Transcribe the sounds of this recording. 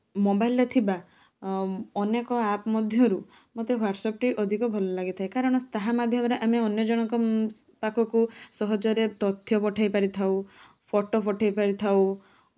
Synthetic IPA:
mobajlet̪ʰiba | ɔnekɔapmɔd̪ʱjɔɾu | mot̪eɦwaɾɖsɔp̚ʈiʔɔd̪ʱikɔbʱɔlɔlaɡit̪ʰajkaɾɔɽ̃ɔt̪aɦamad̪ʱjɔmɔɾeʔameɔnjɔd͡ʒɔɽ̃ɔŋkɔ | pakʰɔkusɔɦɔd͡ʒɔɾet̪ɔt̪ʰːjɔpɔʈʰajpaɾit̪ʰaw | pʰɔʈopɔʈʰajpaɾit̪ʰaw

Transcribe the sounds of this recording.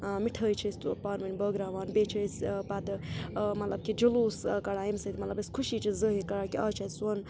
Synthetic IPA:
miʈʰəːjt͡ʃʰəst̪upaːɾmɐnʲbəːɡɾaːʋaːnbet͡ʃʰəspat̪mɐt̪lɐb̚kid͡ʒɐluːskɐɽaːimsət̪ʲmɐt̪lɐbiskʰuʃit͡ʃʰizəɦikɐɾakiaːt͡ʃʰɐsɐn

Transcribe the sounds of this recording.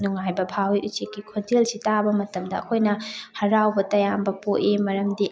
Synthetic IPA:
nuŋajbɐbʱawiʔut͡ʃikːikʰodelsitabɐmɐtɐmdɐ̰ːkʰojnɐhɐɾawbɐtɐjambɐpoʔemɐɾɐmdi

